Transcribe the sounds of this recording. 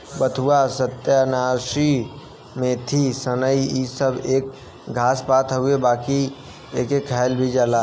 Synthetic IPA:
bət̪ʰuasət̪janaːʃi | mẽt̪ʰisənəiisəbeːk̚ | ɡʱaːspaːt̪ɦʊebaːki | eːkekʰːaɪlbʱid͡ʒaːlaː

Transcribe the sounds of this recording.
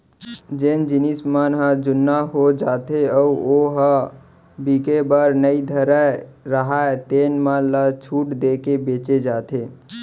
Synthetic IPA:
d͡ʒend͡ʒinismanɦə̃d͡ʒunːaɦod͡ʒat̪eəuoɦə̃ | bikebəɾnəid̪ʱəɾaɾəɦat̪enmalət͡ʃʰuʈd̪ekebet͡ʃed͡ʒat̪ʰe

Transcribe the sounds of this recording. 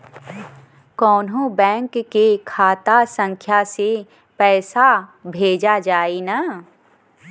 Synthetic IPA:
kɔːnɦõbɛ̃ːŋkːekʰaːt̪asə̃ŋkʰjase | pɛːsabʱeːd͡ʒad͡ʒaːina

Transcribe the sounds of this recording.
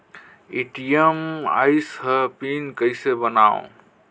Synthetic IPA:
eʈijema̰ɪsɦəpinkəɪsebənaːõ̰

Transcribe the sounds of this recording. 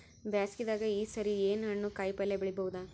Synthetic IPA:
bjaːskid̪aːɡɐiːsɐɾieːnɐnːuːkaːjpɐlːebiɭibɐʋud̪a

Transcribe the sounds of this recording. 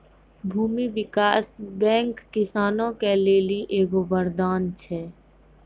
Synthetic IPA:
bʱuːmiʋɪkaːsbɛ̃ːŋkːɪsaːnõkeleːliʔeːɡoʋəɾd̪aːnt͡ʃʰɛː

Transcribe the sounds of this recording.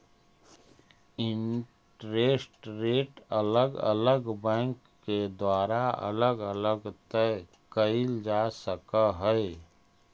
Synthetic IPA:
ɪ̃ɳ | ʈɾeːsʈɾeːʈələɡə̰ləɡbɛ̃ːŋkːed̪waːɾaə̰ləɡələɡt̪ɛ | kəɪld͡ʒaːsəkaɦɛ

